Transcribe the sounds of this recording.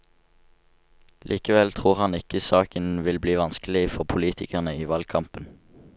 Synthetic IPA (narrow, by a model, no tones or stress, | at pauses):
lʔiːkəʋɛlt̪ʰʁuːʁhɑnɪkəsɑːkənʋɪlbliːʋɑnskəlɪfɔʁpʰʊliːt̪ʰɪkæʁnəiːʋɑlkʰɑmpən